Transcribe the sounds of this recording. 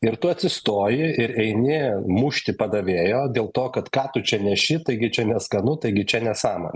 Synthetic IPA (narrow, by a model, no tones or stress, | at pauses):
ɪɾt̪ʊɐt̪ʲsʲɪst̪oːjɪɪɾɛɪnʲɪmʊʃʲt̪ʲɪpɐd̪ɐʋʲeːjoːd̪ʲeːlˠt̪oːkɐt̪kɑːt̪ʊt͡ʃʲɛnʲɛʃʲɪt̪ɐɪɡʲɪt͡ʃʲɛnʲɛskɐnʊt̪ɐɪɡʲɪt͡ʃʲɛnʲɛsɑːmɐ̰nʲ